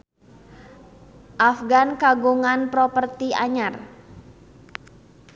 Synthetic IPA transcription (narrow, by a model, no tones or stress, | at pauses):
ʔafɡankaɡuŋanpɾɔpərt̪iʔa̰ɲar